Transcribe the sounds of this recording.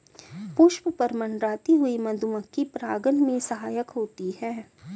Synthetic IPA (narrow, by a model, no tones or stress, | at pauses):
pʊʃwəpɐɾmɐnɾaːt̪iɦʊimɐd̪ʱumə̃kːipɾaːɡənmẽsɐɦaːjəkɦoːt̪ihɛː